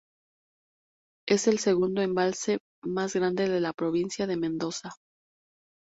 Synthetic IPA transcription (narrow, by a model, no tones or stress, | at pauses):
e̞se̞lse̞ɣund̪o̞e̞mbalse̞ | mazɣɾand̪e̞ðe̞lapɾo̞β̞insjaðe̞mẽnd̪o̞sa